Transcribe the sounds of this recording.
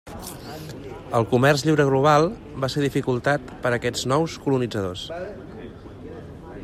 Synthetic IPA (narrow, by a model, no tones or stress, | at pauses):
əlˠkumɛrzʎiwɾəɣluβ̞alˠ | baseɾðifikulˠt̪at̪pəɾəkɛd͡znɔwskulunid͡zəðos